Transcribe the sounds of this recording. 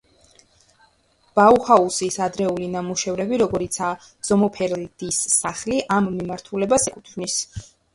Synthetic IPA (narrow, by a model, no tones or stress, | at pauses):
b̥auhausisad̪ɾɛulinamuʃɛvɾɛbiɾɔɡɔɾit̪sʰa | d̪z̥ɔmɔpʰɛɾld̪̥isːaχliʔamːimaɾt̪ʰulɛbasɛkʼut̪ʰvnis